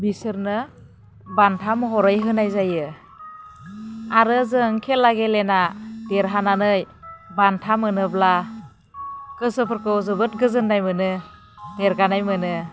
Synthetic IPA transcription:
bisɯɾnɯ | bantʰamɦɔɾɯjɦɯnajzajɯ | aɾɯzɯŋkʰelːaɡelenadeɾɦananɯj | bantʰamɯnɯbla | kɯsɯpʰɯɾkɯwzɯbɯt̚ɡɯzɯnːajmɯnɯ | deɾɡanajmɯnɯ

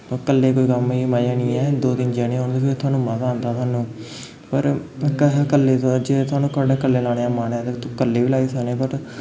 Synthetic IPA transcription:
kəlːeːkoːiːkəmiːmaːjãːnĩːɛːd̪oːd̪ɪnd͡ʒaːnẽːoːnd̪eːpʰɪɾt̪ʰʊaːnũːmət̪aːnt̪aːt̪ʊaːnũː | pəɾkəɦkəlːeːt̪od͡ʒeːt̪ʰʊaːnũːkaːɖeːkəlːeːlaːɽ̃eːaːmaːnaːt̪et̪okəlːeːʋiːlaːiːsəɡneːpəɾ

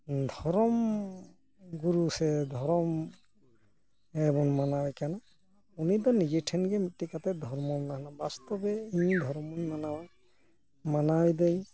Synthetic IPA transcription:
d̪ʱɔɹɔm | ɡuɹusɛd̪ʱɔɾɔm | ɛbɔnmanawakana | unit̪̬ɔnid͡ʒɛʈʰɛnɡɛtikat̪ɛd̪ʱɔɹmɔnnaɦnabast̪ɔbɛĩd̪ʱɔɹɔmɔnmanawaj | manajd̪ej

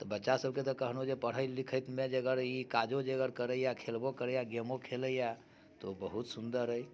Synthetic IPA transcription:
t̪ɔbətːʃasəb̚ket̪ɔkəɦnod͡ʒepəɽ̤əɪlikʰəjt̪med͡ʒeɡəɾikad͡ʒod͡ʒeɡəɾkəɾəijakʰelbokəɾəjaɡemokʰeləja | t̪obəɦut̪sund̪əɾɦəj

